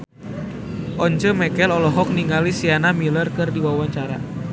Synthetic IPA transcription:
ʔɔɲt͡ʃəmɛkɛlɔlɔɦɔk̚niŋɡalisianamilərkɨrdiwawaɲt͡ʃaɾa̰

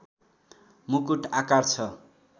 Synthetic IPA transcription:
mukuʈakart͡sʰʌ

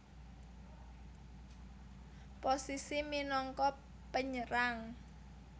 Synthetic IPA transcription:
posisiminɔŋkɔ | pəɲəɾaŋ

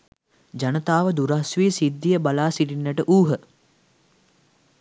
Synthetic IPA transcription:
d͡ʒanət̪aːʋəd̪uɾasʋiːsid̪ːijəbalaːsiʈinːəʈəʔuːɦə

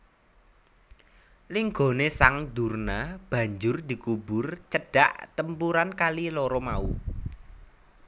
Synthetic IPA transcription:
liŋɡo̤nesaŋd̪ṳrnab̥ä̤ɲd͡ʒʊrd̪̥i̤kubʊrt͡ʃəɖ̥a̤ʔt̪əmpuɾankalilɔɾɔmaṵ

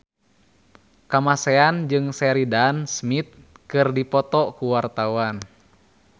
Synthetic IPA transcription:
kamasɛand͡ʒɨŋsɛɾidansmit̪̚kɨrdipɔt̪ɔkuwart̪auan

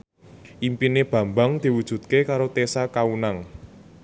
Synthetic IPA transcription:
ʔimpineb̥ä̤mbaŋd̪̥i̤wud̥ʒ̥ṳt̪̚kekaɾot̪esakaunaŋ

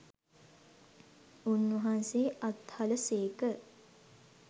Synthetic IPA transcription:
unːuɦanseːʔat̪haləseːkə

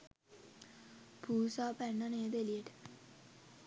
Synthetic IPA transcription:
puːsaːpænːaneːd̪elieʈə̥

